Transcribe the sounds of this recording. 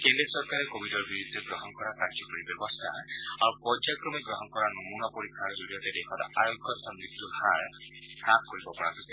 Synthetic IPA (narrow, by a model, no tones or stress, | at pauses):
kendɾisɔɹkaɾɛkobʱidɔɹbiɹud̪ʱːɔɡɹɔɦɔnkɔɹakad͡ʒɔkɔɹibjɔbɔstʰa̰ | aɹupɔd͡ʒakɾɔmiɡɾɔɦɔnkɔɹanɔmunɔpoɹikʰːaɹd͡ʒoɽiɔtɛdekʰɔtɔ̰ʔaɹoɡʱːɔsɔnzik̚t̪ubʱaɹ | pɹakkoɹibɔpɔɹakosɛ